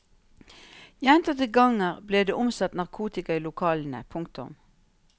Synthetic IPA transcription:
jɛnt̪ɑt̪əɡɑŋəʁbleːd̪eːʔʊmsɑt̪nɑʁkʰuːt̪ɪkɑiːlʊkʰɑːln̩ə̰pʰʊŋkt̪ʊ̰m

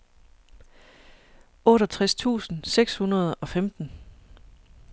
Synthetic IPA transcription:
ɔ̽ːɾɒt͡sʰʁast͡sʰṵːsn̩seɡ̥shunɐð̞̩ˠɒ̽femd̥n̩

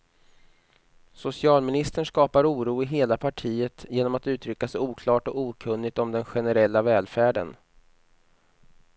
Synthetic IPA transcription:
sʊsɪɑːlmɪnɪst̪əɳʂkɑːpaɾuːɾuːɪɦeːlapʰaʈʰiːət̪jeːnɔmat̪ʉ̟ːt̪ʰɾʏkːasɛjuːkʰlɑːʈɔkuːkʰɵnːɪɡ̚t̪ɔmd̪ɛnɧɛnɛɾɛlːavɛːlfæːɖə̰n

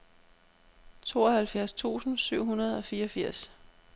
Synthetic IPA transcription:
t͡sʰo̝̰ːɒ̽hælfjæɐst͡sʰṵːsn̩syʊ̰ɦunɐð̞̩ˠɒ̽fiːɒfiɐ̰s

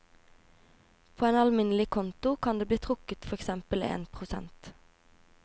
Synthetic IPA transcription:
pʰoːeːnɑlmɪnlɪkʰɔnt̪ʊkʰɑnd̪eːbliːt̪ʰʁʊkət̪fɔʁɛksɛmpəlḛːnpʰʁʊsɛ̰nt̪

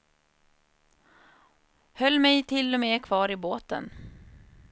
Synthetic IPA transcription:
hœlːmɛjt̪ʰɪlːɔmeːkʰvɑːɾɪboːt̪ə̰n

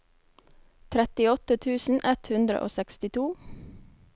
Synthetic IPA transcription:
t̪ʰɾɛt̪ɪɔt̪ət̪ʰʉːsn̩ʔɛt̪hʉnd̪ɾə̰ʔo̰ːsɛkst̪ɪt̪ʰuː

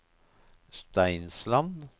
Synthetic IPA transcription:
st̪æɪnslɑn

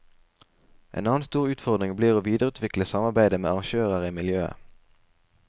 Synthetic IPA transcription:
ʔḛːnɑːn̩st̪uːʁʉːt̪fɔʁd̪ʁɪŋbliːʁoːʋiːd̪əʁʉːt̪ʰʋɪkləsɑmɑʁbæɪd̪əmḛːɑɑŋʃøːʁəʁiːmɪljøːə̰

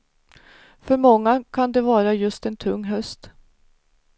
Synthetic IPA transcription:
fœɾmɔŋːakʰand̪ɛvɑːɾajɵst̪ɛnt̪ʰɵŋːɦœst̪

